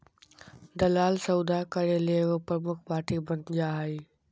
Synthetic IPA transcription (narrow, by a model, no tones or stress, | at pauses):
d̪ɐlaːlsɐud̪akɐɾeleːɦopɾəmʊkʰpaːɾʈibɐ̃nd̪d͡ʑaːɦaiː